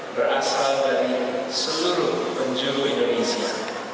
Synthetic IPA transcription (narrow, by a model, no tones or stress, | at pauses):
bərʔasaldaɾisəluɾʊhpəɲd͡ʒuloindonesia